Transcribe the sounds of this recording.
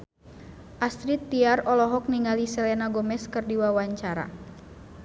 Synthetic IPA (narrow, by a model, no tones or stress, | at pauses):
ʔast̪ɾit̪ːiarɔlɔɦɔk̚niŋalisɛlɛnaɡɔmɛskɨrdiwawaɲt͡ʃaɾa̰